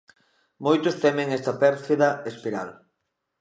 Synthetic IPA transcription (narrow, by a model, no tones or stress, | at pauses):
mojt̪ʊst̪ɛmeŋɛst̪ɐpɛɾθiðɐespiɾa̰l